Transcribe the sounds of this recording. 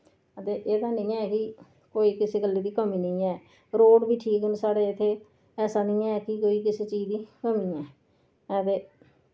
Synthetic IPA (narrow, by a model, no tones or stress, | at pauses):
ət̪eːʔeːd̪aːnəĩːɛːkɪ | koːiːkɪseːɡəlːiːd̪iːkəmiːnəĩːɛː | ɾoːɖbiːʈʰiːkənsaːɽeːɪt̪ʰːeː | ɛːsaːnĩːɛːkɪkoːiːk̬ɪseːt͡ʃiːd͡ʒd̪iːkəmiːɛː | t̪eː